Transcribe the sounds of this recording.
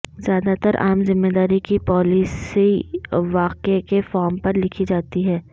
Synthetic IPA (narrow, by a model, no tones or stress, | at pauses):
zjaːd̪at̪əɾʔa̰ːmzɪ̃mːeːd̪aːɾikipɔːlisiʋaːqekefɔːɾmpɐɾlɪkʰid͡ʒaːt̪iɦɛː